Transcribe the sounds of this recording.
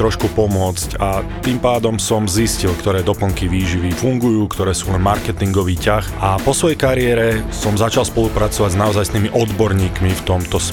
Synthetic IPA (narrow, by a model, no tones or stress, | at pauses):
ɾɔʃkupɔmʊɔt͡scat̪iːmpaːd̪ɔmsɔmziscilkt̪ɔɾɛːd̪ɔpl̩ŋkiʋiːʒiʋifuŋɡujuːkt̪ɔɾɛːsuːlɛnmaɾkɛt̪iŋɡɔʋiːcaxʔapɔsʋɔjɛjkaɾɪɛɾɛsɔmzat͡ʃalˠspɔlupɾat͡sɔʋaɟznaɔzajst̪iːmiʔɔd̪bɔɾɲiːkmift̪ɔmt̪ɔs